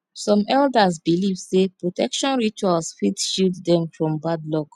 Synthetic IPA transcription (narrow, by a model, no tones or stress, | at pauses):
sɔ̃mɛldazbilivsepɹotɛkʃɔ̃nɹit͡ʃualsfitʃiltdɛ̃mfɹɔ̃mbadlɔk